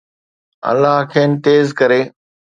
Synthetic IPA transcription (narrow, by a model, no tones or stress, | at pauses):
ə̰lːaɦkʰeːnt̪eːzkəɾeː